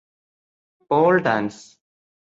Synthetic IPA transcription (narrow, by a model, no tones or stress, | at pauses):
poːlɖãns